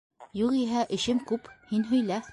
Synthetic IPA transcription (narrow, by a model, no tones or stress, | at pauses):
juʁiɦæʔɘ̆ɕɘmkʉphinɦɵ̆jlæ